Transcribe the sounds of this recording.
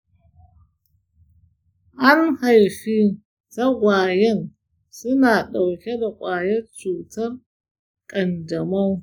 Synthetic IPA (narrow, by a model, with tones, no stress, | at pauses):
ʔa˦nha˨jɸi˦ | tɐ˦ɡʷaː˨jɛ˦n | sʊ˦naː˨ɗa˨wkʲe˦da˨kʷʼaː˨jɐ˦t͡ʃuː˨tɐ˦r | kʼɐ˨ndɐ˨mɐ˦ŋ